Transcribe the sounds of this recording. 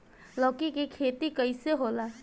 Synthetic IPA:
lɔːkikikʰeːt̪ikɐiseɦoːlaː

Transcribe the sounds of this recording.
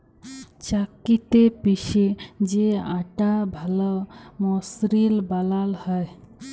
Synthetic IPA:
t͡ʃakit̪epiʃed͡ʒeaʈabʱalɔmɔsɾilbalalhəj

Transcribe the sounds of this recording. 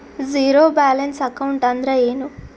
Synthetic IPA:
ziːɾoːbaːlɐnsɐkɐwuɳʈɐnd̪ɾɐeːnu

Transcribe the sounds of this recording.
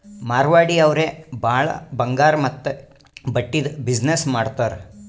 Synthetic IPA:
maːɾʋaːɽiɐʋɾeːbaːɭɐ̰bɐŋɡaːɾmɐt̪ːu | bɐʈːid̪bid͡ʒnesmaːɽt̪aːɾ

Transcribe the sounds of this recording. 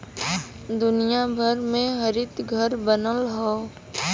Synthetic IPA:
d̪ʊnijabʱəɾmẽɦɐɾɪt̪ɡʱəɾbənəlɦoː

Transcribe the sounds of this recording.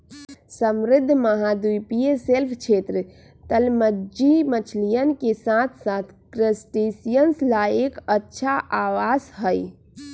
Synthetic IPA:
səmɾɪd̪ʱːməɦad̪ujpijeselpʰt͡ʃʰet̪ɾə | t̪əlməd͡ʒimət͡ʃʰlijənkesat̪ʰsat̪ʰkɾəsʈesijənslaekətːʃʰaʔaʋasɦəj

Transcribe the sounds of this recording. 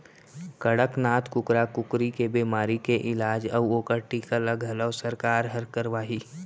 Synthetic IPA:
kɐɽəknaːt̪ʰkʊkɾakʊkɾikebeːmaːɾikeʔɪlaːd͡ʒɐʋoːkəɾʈikaləɡɦɐləʋsəɾkaːɾɦɐɾkəɾʋaːɦiː

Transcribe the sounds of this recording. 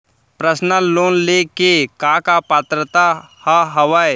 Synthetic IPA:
pɾəsnəloːnlekekãːkapaːt̪ɾət̪a | haɦɐʋae

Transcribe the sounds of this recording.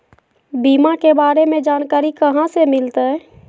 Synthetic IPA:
biːmakebaːɾemẽd͡ʒaːnkaːɾikəɦãsemɪlt̪aɦɛ

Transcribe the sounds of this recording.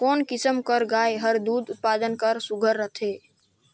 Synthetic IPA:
kɔːnkɪsəmkəɾɡaːeɦəɾd̪uːd̪ʊt̪̚paːd̪ənkəɾsuɡʱəɾːət̪ʰeː

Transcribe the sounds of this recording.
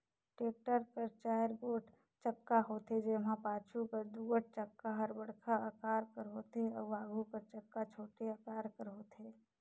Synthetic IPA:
ʈeːk̚ʈəɾkəɾt͡ʃaːəɾɡoːʈ | t͡ʃəkːaɦoːt̪ed͡ʒeɦãpaːt͡ʃʰukəɾd̪uːəʈ̚t͡ʃəkːaɦəɾbəɽkʰaəkaːɾkəɾɦoːt̪eɔːɾbaːɡʱukəɾt͡ʃəkːat͡ʃʰoːʈeakaːɾkəɾɦoːt̪eː

